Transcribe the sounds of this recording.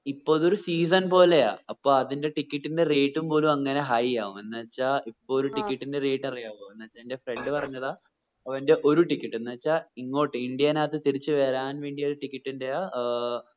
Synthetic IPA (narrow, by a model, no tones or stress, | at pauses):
ipːoːðoɾusiːs̬ɐnpo̞ːle̞ja̰ːɐpːoːɭɐðinde̞ʈikʲːiʈːinde̞reːʈːumpo̞ːlumɐŋːɐne̞ɦɐjjaːumenːɐɐt͡ɕːaːʔipːoːɾuʈikʲːiʈːinde̞reːʈːɐrijaːʋoːenːɐɐt͡ɕːaindefre̞ɳɖɨpɐrɐɲːɐðaː | ɐʋɐnde̞ʔo̞ɾuʈikʲːiʈːenːɐɐt͡ɕːaːiŋːo̞ːʈːɨiɳɖijɐnaːt̪ːɨt̪iɾit͡ɕːɨʋeːɾaːnʋe̞ːɳɖioɾuʈikʲːiʈːinde̞jaː